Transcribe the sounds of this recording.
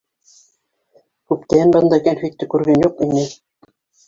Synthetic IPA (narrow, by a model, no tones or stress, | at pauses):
kʉpt̪æɘnbɤ̆nd̪ɑkænfit̪ːɘkʉɾɡænjuqinːɘ